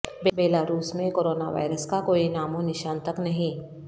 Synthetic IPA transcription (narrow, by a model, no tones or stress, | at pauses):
bebeːlaːɾuːsmẽkoːɾoːnaʋa̰ːɪɾəskakoːinaːmõnɪʃaːnt̪ɐknɐɦĩ